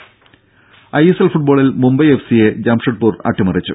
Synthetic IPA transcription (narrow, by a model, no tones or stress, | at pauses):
ɐjeselfuʈ̚boːɭilmumbɐjefsije̞d͡ʑaːmʂɐʈ̚puːrɐ̰ʈʰːimɐrit͡ɕːṵ